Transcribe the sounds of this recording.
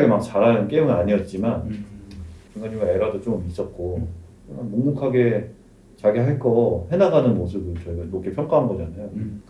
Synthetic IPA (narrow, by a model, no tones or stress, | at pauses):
ɡemak̚t͡ɕaɾanɯnk͈emɯnaɲiʌt̚t͡ɕ͈iman | kjuŋɡaɲimae̞ɾʌdot͡ɕomis͈ʌt̚k͈o | ɯmamoŋmukʰaɡe̞ | t͡ɕaɡeɦaɭk͈ʌɦe̞naɡanɯnmos̬ʰɯbɯɭt͡ɕʌiɡamok͈ʰepʰjʌŋk͈aɦanɡʌd͡ʑanajo